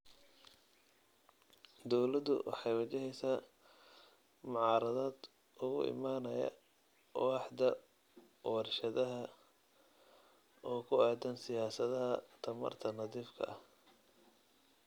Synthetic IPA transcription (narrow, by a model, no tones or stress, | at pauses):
d̪ɔwlɐd̪ʊ̰wʔɑ̰ħɑjwɐt͡ʃɛɦɛjsaː | mʊʕɑːɾɐðaːd̪ | ʔʊɣʊ̰ʔɪ̰maːnɐjɐ̰ | wɑħd̪ɐ | wɑrʃɐðɐɦɐ | ʔɔːkʰʊaːd̪ɐnsɪjaːsɐðɐɦɐt̪ʰɐmɐ̰rt̪ʰɐnɐðiːfkʰɐ̰ʔɐh